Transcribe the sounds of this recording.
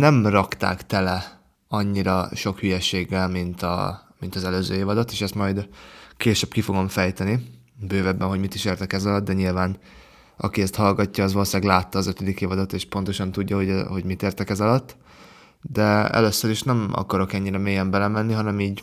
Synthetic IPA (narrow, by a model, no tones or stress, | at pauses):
nɛmrɒkt̪a̰ːkt̪ɛlɛ | ɒɲːiɾɒʃo̞khyjɛʃeːɡːɛlmint̪ɒ̰mint̪ɒzɛløːzøːeːvɒd̪ɒt̪eːʃɛst̪mɒjd̪keːʃɛb̚kifo̞ɡo̞ɱfɛjt̪ɛni | bøːvɛbːɛnɦoɟmit̪iʃeːrt̪ɛkɛzɒlɒt̪̚d̪ɛɲilvaːn | ɒ̰kiɛst̪hɒlɡɒcːɒːzʋɒloʃaːɡlaːt̪ːɒːzøt̪ød̪ikeːvɒd̪ɒt̪eːʃpo̞n̪t̪o̞ʃɒnt̪uɟːɒɦo̞ɟho̞ɟmit̪eːrt̪ɛkɛzɒlɒt̪ː | d̪ɛɛ̰løsːøɾiʃnɛmɒ̰kɒɾo̞kɛɲːiɾɛmeːjɛmbɛlɛmɛnːiɦɒnɛmiːɟ